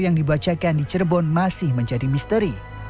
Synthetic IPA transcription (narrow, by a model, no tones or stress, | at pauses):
jaŋdibat͡ʃakandit͡ʃərbɔnmasɪhməɲd͡ʒadimist̪əɾi